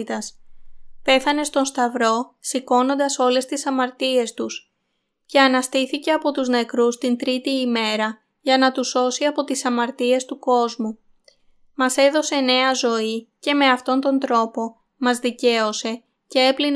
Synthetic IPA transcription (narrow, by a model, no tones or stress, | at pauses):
it̪ɐspe̞θɐne̞st̪o̞nst̪ɐvɾo̞siko̞no̞nd̪ɐso̞le̞st̪isɐmɐɾt̪ie̞st̪us | ce̞ɐnɐst̪iθice̞ɐpo̞t̪uzne̞kɾust̪int̪ɾit̪iːme̞ɾɐ | ʝɐnɐt̪uso̞siɐpo̞t̪isɐmɐɾt̪ie̞st̪uko̞zmu | mɐse̞ðo̞se̞ne̞ɐzo̞ice̞me̞ɐft̪o̞nt̪o̞nd̪ɾo̞po̞ | mɐzðice̞o̞se̞ | ce̞e̞plin